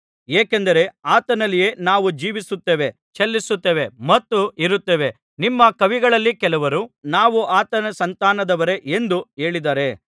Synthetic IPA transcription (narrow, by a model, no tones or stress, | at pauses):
eːkend̪ɐɾe̞aːt̪ɐnɐlːije̞ːnaːʋud͡ʒiːʋisut̪ːeːʋe̞ | t͡ʃelːisut̪ːeːʋe̞mɐt̪ːuiɾut̪ːeʋe̞ | nimːɐkɐʋiɡɐɭɐlːikɛlɐʋɐɾunaːʋuʔaːt̪ɐnɐsɐnt̪aːnɐd̪ɐʋɐɾe̞ʔend̪ue̞ːɭid̪aːɾe̞